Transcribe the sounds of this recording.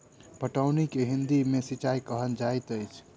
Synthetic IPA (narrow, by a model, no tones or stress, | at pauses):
pəʈəwnikeɦind̪imesit͡ʃajkəɦənd͡ʒajt̪əjt͡ʃʰ